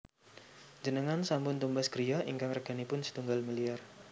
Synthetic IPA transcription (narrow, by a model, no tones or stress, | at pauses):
d͡ʒənəŋansambʊnt̪umbasɡ̥ɾijaiŋkaŋrəɡ̥anipʊnsə̥t̪uŋɡalmiliar